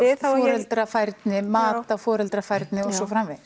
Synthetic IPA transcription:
ɪðfɔːɾœlt̪ɾafajɾt̪nɪmaːt̪afɔːɾœlt̪ɾafajɾt̪nɪɔsɔfɾamːɪð

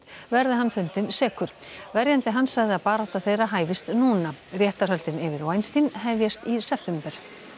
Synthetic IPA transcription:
vɛɾðɪɦanːfʏnt̪ɪnsɛːkʏɾ̥vɛɾjant̪ɪɦanːsaɣðɪaðpaːɾaht̪aθejraɦaːjvɪst̪nuːnarjɛht̪aɾɦœlt̪ɪnɪvɪɾvajnst̪inhɛjvjɛst̪isɛft̪ɛmpɛɾ̥

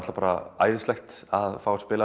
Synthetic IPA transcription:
t̪lapaːɾa̰a̰jðɪst̪ɛxt̪aðfaːwɾ̥spɪːla

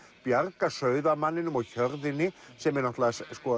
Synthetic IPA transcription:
pjaɾkasœːɥðamanːɪnʏmɔɣçœɾðɪnɪsɛmɛɾnɔht̪lasskɔ

